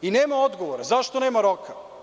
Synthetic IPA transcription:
ineːmaod̪ɡoʋoɾazaʃt̪oneːmaɾokʰa

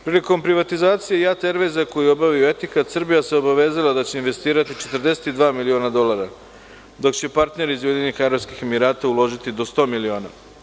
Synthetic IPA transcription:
pɾiːliko̞mpɾiʋat̪izaːt̪sije̞jat̪eɾʋezako̞jio̞baʋijue̞t̪ikat̪srbijaseo̞baʋe̞ːzalad̪at͡ɕe̞inʋe̞st̪iːɾat̪it͡ʃe̞t̪r̩d̪e̞se̥t̪id̪ʋaːmilio̞ːnad̪o̞laɾa | d̪o̞kt͡ɕe̞paɾt̪ne̞ɾiːzʋed̪inixaɾoskixemiɾaːt̪aulˠo̞ʒit̪id̪o̞st̪o̞ːmilio̞ːna

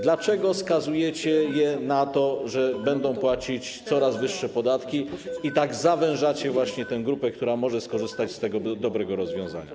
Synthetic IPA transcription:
d̪lat͡ʂɛɡɔskazujɛt͡ɕɛjɛnat̪ɔʐɛbɛnd̪ɔ̃w̃pwat͡ɕit͡ɕt̪sɔɾazvɘʂːɛpɔd̪at̪kʲiit̪aɡzavɛ̃w̃ʐat͡ɕɛvwaɕɲɛt̪ɛw̃ɡɾupɛkt̪uɾamɔʐɛskɔʐɘst̪at͡ɕst̪ɛɡɔd̪ɔbɾɛɡɔɾɔzvʲjɔ̃w̃za̰ɲa̰

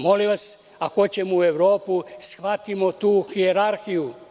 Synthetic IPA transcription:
mo̞liʋas | akot͡ɕemue̞ʋɾo̞ːpusxʋat̪imot̪uːxieɾaɾxiju

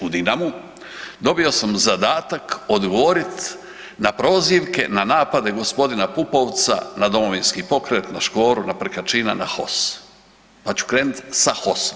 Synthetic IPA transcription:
ud̪inamu | d̪o̞bio̞samzad̪aːt̪ako̞d̪ɡoʋo̞ɾit̪ | napɾo̞ːziʋke̞nanaːpad̪e̞ɡo̞spo̞d̪inapupo̞ʋt̪sa̰nad̪o̞mo̞ʋinskipo̞kɾe̞t̪naʃko̞ːɾunapɾkat͡ʃiːna̰naxo̞s | pat͡ɕu̥kɾe̞ːnut̪saxo̞so̥m

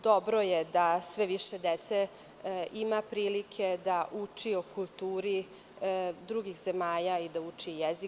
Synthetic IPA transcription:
d̪o̞bɾo̞jed̪asʋeʋiʃed̪et̪se | imapɾiːlikʰed̪aʔut͡ʂiokulˠt̪uːɾi | d̪ɾuɡixzemaːʎaid̪aut͡ʂijezi

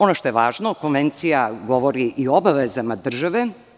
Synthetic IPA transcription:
onoʃt̪o̞jeʋaːʒnokonʋent̪sijaɡoʋoɾiʔioobaʋezamad̪r̩ʒaʋe

